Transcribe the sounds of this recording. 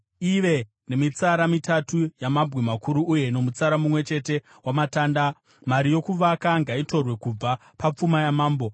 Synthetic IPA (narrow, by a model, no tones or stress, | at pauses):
iʋe̞ | ne̞mit͡saɾamitatujamabwemakuɾuːje̞no̞mut͡saɾamumwe̞t͡ʃe̞te̞ | wamataːnda | maɾijo̞kuʋakaŋɡaito̞rwe̞kub͡va | pap͡fumajamaːmbo̞